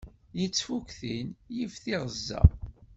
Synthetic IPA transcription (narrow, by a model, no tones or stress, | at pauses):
jət͡sːfukθinjəfθiʁəzːæ̰